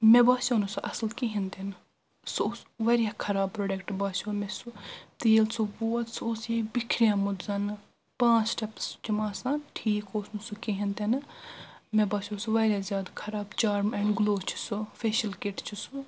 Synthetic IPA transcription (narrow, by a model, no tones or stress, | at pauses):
mebaːsonusuʔɐsəlkiɦĩnd̪en | soʋɐɾʲjaːkʰɐɾaːb̚pːɾoːɖekʈbaːsomesut̪eːlsʰuboːt̪sosjebɪkʰɾijãːmʊd̪zɐn | pãːt͡ʃʈɐpst͡ʃɐmaːsaːnʈʰiːkoːsnusukiɦĩnd̪enɨ | mebaːsʲoːsuʋɐɾʲjaːzʲjaːd̪akʰɐɾaːbt͡ʃaːɾmɛːɳɖɡloːt͡ʃʰi̥sufeːʃɐlkeʈt͡ʃʰusu